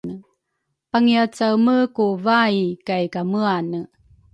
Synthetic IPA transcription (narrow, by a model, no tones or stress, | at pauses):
ə | paŋiat͡sawməkuvaikajkaməanə